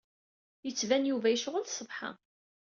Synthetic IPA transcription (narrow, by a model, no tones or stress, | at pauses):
jət͡sːvænjuvæjəʃʁəlsˤəvħɑ̰